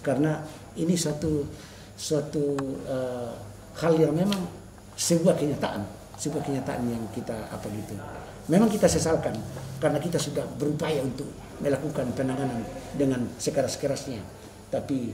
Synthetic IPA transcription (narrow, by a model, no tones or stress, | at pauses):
karna | inisat̪u | suat̪uə | haljaŋmemaŋ | sɛbuahkɛɲat̪aʔa̰n | sɛbuahkɛɲat̪aʔa̰njaŋkit̪aa̰paɡit̪u | memaŋkit̪asɛsalkankaɾnakit̪asudahbəɾupajaunt̪ʊk̚ | məlakukanpɛnaŋanandəŋansɛkɛɾaskɛɾasɲa | t̪api